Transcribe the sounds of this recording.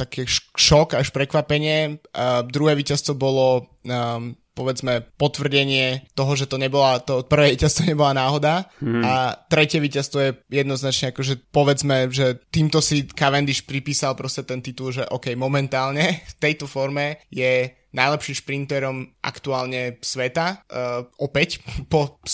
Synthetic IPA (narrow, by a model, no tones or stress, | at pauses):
t̪akɛːʃʃɔkaʃpɾɛkʋapɛɲɪɛd̪ɾuɦɛːʋicast̪ɔbɔlɔ | pɔʋɛd͡zmɛpɔt̪ʋr̩ɟɛɲɪɛt̪ɔɦɔʒɛt̪ɔɲɛbɔlat̪ɔpr̩ʋɛːjʋicast̪ʋɔɲɛbɔlanaːɦɔd̪aat̪ɾɛcɪɛʋicast̪ʋɔjɛjɛd̪nɔznat͡ʃɲɛakɔʒɛpɔʋɛd͡zmɛʒɛt̪iːmt̪ɔsikaʋɛnd̪iʃpɾipiːsalpɾɔscɛt̪ɛnt̪it̪ulˠʒɛʔɔkɛjmɔmɛnt̪aːlɲɛft̪ɛjt̪ɔfɔɾmɛjɛ | najlɛpʃimʃpɾint̪ɛɾɔmʔa̰kt̪uaːlɲɛsʋɛt̪aʔɔpɛcpɔ